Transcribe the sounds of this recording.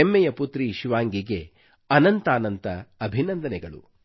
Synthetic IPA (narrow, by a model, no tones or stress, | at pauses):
emːɛjɐput̪ɾiʃiʋaːŋɡiɡe̞ | ɐnɐnt̪aːnɐnt̪ɐːbʱinɐnd̪ɐnɛɡɐɭṵ